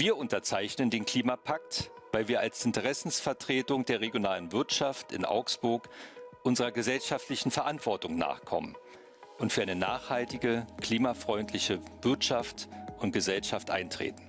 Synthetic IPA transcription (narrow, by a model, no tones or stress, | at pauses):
viːɐʔʊntɐt͡saɪçnəndeːnkʰl̥iːmapʰak̚tvaɪlviːɐʔalsʔɪntəʁ̞ɛsn̩sfɛɐtʁ̥eːtʊŋdeːɐʁeɡjonaːlənvɪɐtʃaftɪ̰nʔa̰ʊksb̥ʊɐkʔʊnzəʁ̞ɐɡəzɛlʃaftlɪçn̩fɛɐʔantv̥ɔɐtʊŋna̰ːχkʰɔ̰mən | ʊntfyːɐaɪnənaːχhaltɪɡəkl̥iːmafʁ̥ɔʏntʰlɪçəvɪɐtʃaftʊnt̚ɡ̥əzɛlʃaftʔa̰ɪntʁ̥ḛːtn̩